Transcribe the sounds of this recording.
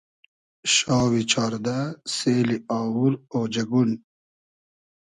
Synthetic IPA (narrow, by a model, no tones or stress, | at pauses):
ɕɑːwit͡ʃʰɑːɾd̪aseːliɑːwuɾoːd͡ʑɐɡun